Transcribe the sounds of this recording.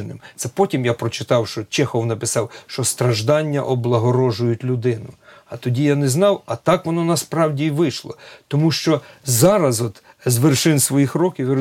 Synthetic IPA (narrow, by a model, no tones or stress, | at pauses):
nɪ̰mt̪sɛpɔtʲimjapɾɔt͡ʃɪt̪ɑwʃt͡ʃɔt͡ʃɛxɔwnɐpɪsɑwʃt͡ʃɔst̪ɾɐʒd̪ɑnʲːɐʔɔblˠɐɦɔɾɔʒʊjʊtʲlʲʊd̪ɪnʊɐt̪ɔdʲijanɛznɑwɐt̪ɑkʋɔnɔnɐspɾɑwdʲiʋɪʃlˠɔ̰t̪ɔmuʃt͡ʃɔzɑɾɐzɔt̪ | zʋerʃɪnsʋɔjixɾɔkʲiw